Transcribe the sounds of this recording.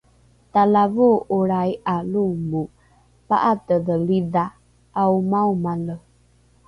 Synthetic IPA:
talavuuɾajalumu | pa̰ʔatədəlida | awmawmalə

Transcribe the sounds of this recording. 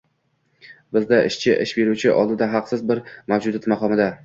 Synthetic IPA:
bɪzd̪aʔɪʃt͡ʃʰɪʔɪʃbe̞ɾut͡ʃʰɪʔɒ̰lˠd̪ɪd̪aɦɑqsɪzbɪɾmawd͡ʒʊd̪at̪maqɒmɪd̪a

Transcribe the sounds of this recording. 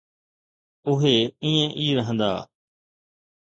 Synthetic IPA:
ʊɦeːĩːẽʔiːɾəɦə̃nd̪a̰ː

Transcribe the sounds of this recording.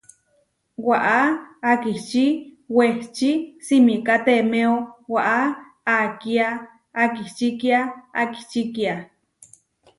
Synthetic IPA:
waʔaakiht͡ʃiweht͡ʃisimikat̪emeowaʔa | akiaː | kiht͡ʃikiaa̰ki̥ht͡ʃikia

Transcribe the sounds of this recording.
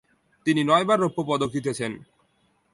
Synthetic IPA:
t̪ininɔebaɾːopːopɔd̪okit̪̬et͡ɕʰen

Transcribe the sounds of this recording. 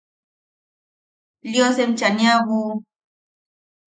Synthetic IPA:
ljosem̩t͡ʃanjaɣu

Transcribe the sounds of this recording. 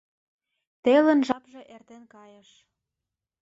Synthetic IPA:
t̪elə̆nʒɑpʒĕʔert̪enkɑjəʃ

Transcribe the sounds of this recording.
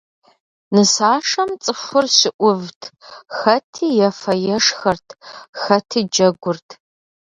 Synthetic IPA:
nɨsaːʂɐmt͡sʼɨfʷʊrɕɪʔʷʊvtʰxɐtʰiːjɛfɐjɛʂxɐrtʰxɐtʰiːd͡ʒɐɡʷʊrtʰ

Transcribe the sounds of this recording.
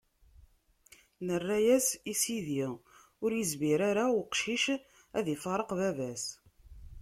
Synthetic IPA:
nərːæjæsisiði | ʊɾjəzmiɾaɾawqʃiʃ | æðifɑɾˤəqvævæs

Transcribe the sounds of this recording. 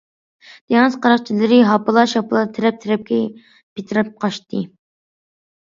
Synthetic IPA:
d̪̥eŋɨzqʰɑɾɑqt͡ʃʰilɪɾɪɦɑpɨlˠɑʃhɑpʰɨlˠɑt̪ʰeɾɛp̚t̪ʰeɾɛp̚kʲɛ | pet̪ʰɾɨp̚qʰɑʃt̪ɨ

